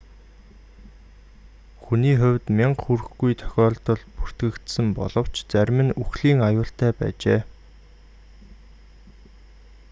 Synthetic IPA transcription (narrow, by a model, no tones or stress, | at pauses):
xuniːχʊ̟wʲt̪mʲiɴqxurɘ̆xɡujt̪ʰœ̥xʲɔːɮt̪ɞ̆ɮpur̥t̪ɡɘ̆kt̪sɘ̆mpɔ̰ɮɞ̆w̥t͡ɕt͡sæɾʲmɘ̆nuxɮiːŋajʊːɬt̪æːpæ̰ːt͡ɕeː